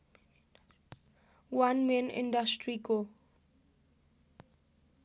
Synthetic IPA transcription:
wãnmẽnɪ̰̃ndastʰɹiɡo

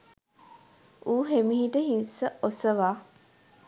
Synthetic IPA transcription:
uːɦemihiʈəɦinsəʔosəʋaː

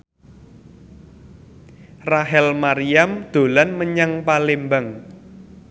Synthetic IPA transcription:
raɦɛlmaɾijamd̪̥o̤lanməɲaŋpalembəŋ

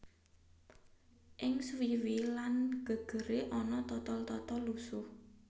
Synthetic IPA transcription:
ʔɪŋswiwilanɡ̥ə̤ɡ̥ə̤ɾeʔɔnɔt̪ɔt̪ɔlt̪ɔt̪ɔlusʊ

